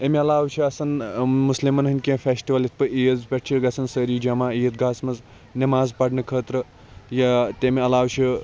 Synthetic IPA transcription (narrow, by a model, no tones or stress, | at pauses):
emeɐlaːwt͡ʃʰiɐsɐnmuslimɐnɦɨnʲkʲẽfʰeːsʈiʋɐlit̪̚ʰpɨʔiəzpʲeʈ̚t͡ʃʰiɾɡɐsʰɐnsəɾiːd͡ʒɐmaːijət̪̚ɡaːsmɐz | nimaːzpɐɖnɨkʰəːt̪ɾɨ | jɐt̪emeɐlaːwt͡ʃʰi